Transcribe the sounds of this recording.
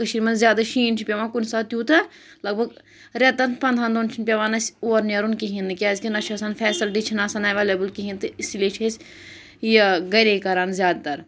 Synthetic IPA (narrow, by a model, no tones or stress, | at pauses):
kɐʃiɾmɐnzjaːd̪aʃiːnt͡ʃʰipʲeʋaːkunsaːt̪juːt̪ɐ | lɐɡ̚bʱɐɡ | ɾet̪ɐnpɐnd̪ʱaːnd̪ont͡ʃʰinpʲɐʋaːnɐsʲoːɾnɐɾunkiɦĩnɨkʲaːzkʲinɐt͡ʃʰiɐsaːnfɛːsɐlʈit͡ʃʰinaːsaːnɐʋeːleːbɨlkiɦĩnt̪ɨisleːt͡ʃʰesʲ | jɐɡɐɾekɐɾaːnzʲjaːd̪at̪ɐɾ